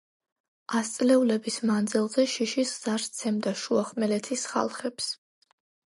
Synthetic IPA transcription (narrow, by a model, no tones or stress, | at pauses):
ast̪sʼlɛulɛbismand̪zɛlˠzɛʃiʃisz̥aɾst̪sʰɛmd̪aʃuaχmɛlɛt̪ʰisχa̰lˠχɛps